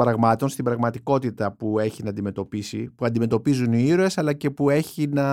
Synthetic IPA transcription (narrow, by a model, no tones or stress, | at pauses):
bɾɐɣmɐt̪o̞nst̪ibɾɐɣmɐt̪iko̞t̪it̪ɐpue̞çinɐːnd̪ime̞t̪o̞pisipuɐnd̪ime̞t̪o̞pizuniiɾoe̞sɐlɐce̞pue̞çinɐ